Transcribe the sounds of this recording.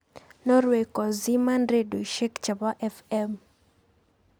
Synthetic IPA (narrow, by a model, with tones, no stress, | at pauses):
nɔ˦ɾwe˨kɔ˨zi˦ma˦ndɾe˦do˨ʃe˦kt͡ʃa˨bɔ˦ʔɛ˦fɛm